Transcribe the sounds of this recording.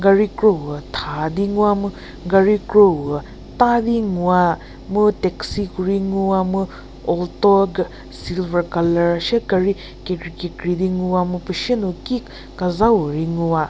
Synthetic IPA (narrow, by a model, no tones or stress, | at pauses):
ɡɐɾikɾowətʰadiŋuwamɯ | ɡɐɾikɾowə | tadiŋuwa | muteksikʰuɾiŋuwamɯ | ɔltoɡ | silbɐɾkɐlɐɾasekɐɾi | kekɾikekɾidiŋuwamupɐʃinuki | kɐzawuɾiŋuwa